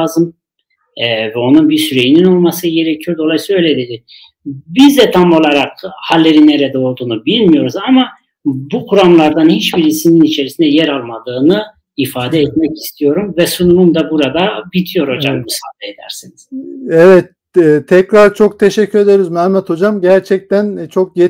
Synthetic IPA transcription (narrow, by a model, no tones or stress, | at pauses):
azɯmː | vɛo̞nunbisyɾe̞jinino̞lˠmasɯɟe̞ɾecʰijo̞ɾd̪o̞lˠajsːøjlʲed̪ed̪i | bizd̪ɛt̪ʰamo̞lˠaɾak̚halʲːe̞ɾinːeɾɛd̪ɛo̞ɾd̪uːnubilʲmijo̞ɾuzama | bukʰuɾamlˠaɾd̪anhit͡ʃbiɾisininit͡ʃʰe̞ɾisind̪ɛjɛɾalˠmad̪ɯːnɯ | ifaːd̪ɛɛt̪̚mɛci̥st̪ʰijo̞ɾumvɛsununumd̪abuɾad̪abit̪ʰijo̞ɾo̞d͡ʒakmɯsaːd̪eed̪æ̰ɾsiniz̥evɛt̪ːʰ | ɛcɾaɾt͡ʃʰo̞k̚t̪ʰeʃɛcʰːyɾed̪eɾizmæmːɛt̪ʰo̞d͡ʒamɟæɾt͡ʃʰɛc̚t̪ʰænt͡ʃʰo̞k̚je